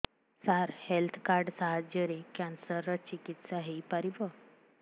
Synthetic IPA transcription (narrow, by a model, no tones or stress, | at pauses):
saɾhelt̪ʰkaɾɖsaɦad͡ʑjəɾekãnsəɾət͡ɕikit̪saɦeipəɾibə